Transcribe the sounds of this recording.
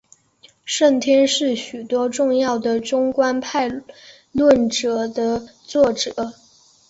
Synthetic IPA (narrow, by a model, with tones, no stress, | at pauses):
ʂə˥˩nt̪ʰjɛ˥nʂɻ̩˥˩ɕy˨˩t̪wɔ˥ʈ͡ʂʊ˥˧ŋjɑ˥˩ʊd̪ə˩ʈ͡ʂʊ˥ŋkwa˥npʰa˥˧ɪ | lwə˥˩nʈ͡ʂɤ˨˧˩d̪ə˧t͡swɔ˥˩ʈ͡ʂɤ˨˩˦